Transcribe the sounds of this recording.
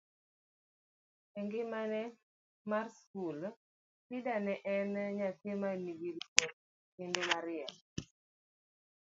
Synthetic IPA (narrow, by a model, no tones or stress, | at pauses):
ɛŋɡɪmanɛ | marskul | sidanɛʔɛnɲatɪmaniɡilkot̚ | kɪndomaɾɪɛm